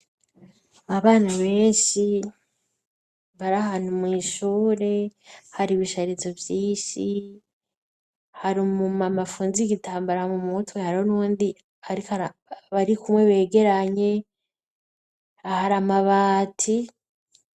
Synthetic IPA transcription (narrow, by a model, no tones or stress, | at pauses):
aβaːnaβe̞ːnʃi | βaɾaɦaːn̥humŋiːʃuːɾe̞haɾiβiʃaɾit͡so̞vjiːʃi | haɾimumamafuːnziɡitʰaːmbaɾamumutwehaɾhonuːndi | aɾikβaɾikumwe̞βe̞ːɡe̞ɾaɲe̞ | ahaɾamaβaːtʰi